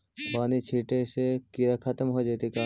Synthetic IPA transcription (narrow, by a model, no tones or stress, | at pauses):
baːnit͡ʃʰiːʈesekiɾakʰat̪əmɦod͡ʒeːt̪ika